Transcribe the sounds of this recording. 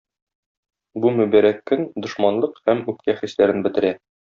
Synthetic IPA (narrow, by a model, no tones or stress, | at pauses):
bumʉbæɾækːɵnd̪ŏʃmɑnlˠɤqhæmʉp̚kæχislæɾɘnbɘ̆t̪ɘ̆ɾæ